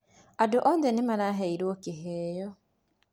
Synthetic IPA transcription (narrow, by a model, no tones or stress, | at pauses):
adʊʔɔndɛnɪmanaɦeiɾwokɪɦejɔ